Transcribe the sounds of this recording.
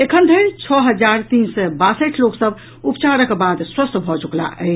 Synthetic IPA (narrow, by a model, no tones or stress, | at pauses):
ekʰənd̪ʱənt͡ʃʰɔɦəd͡ʒaɾt̪insɛbasəʈʰloksəb | upt͡ʃaɾəkbad̪swəst̪bʱɔt͡ʃukla̰ʔə̰